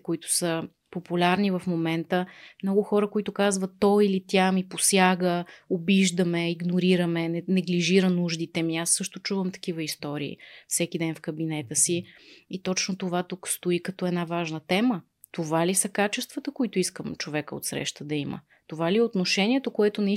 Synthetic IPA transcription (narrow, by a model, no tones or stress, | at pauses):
koit̪ʊ̥sə | populʲaɾnivəfmomɛnt̪əmnɔɡʊxɔɾəkoit̪ʊkazvət̪ːɔilit̪ʲjamiposjaɡəobiʒd̪əmɛiɡnoɾiɾəmɛnɛnɛɡliʒiɾənuʒd̪it̪ɛmiasːɤʃt̪ʊt͡ʃuvəmt̪ɐ̥k̟ivəist̪ɔɾḭḭfsɛk̟id̪ɛnfkəbinɛt̪əsiit̪ɔt͡ʃnot̪ovat̪ukst̪oikɐt̪ɔɛd̪navaʒnət̪ɛmə | t̪ovalisəkat͡ʃɛst̪vət̪əkoit̪ʊiskəmt͡ʃovɛkəo̰t̪sɾɛ̰ʃt̪əd̪ɐimə̰ | t̪ovaliɛot̪noʃɛniɛt̪okoɛt̪ʊnɐi